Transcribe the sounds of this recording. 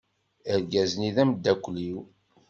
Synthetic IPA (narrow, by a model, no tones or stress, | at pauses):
əɾɡæzniðæmd̪ːækʷːliw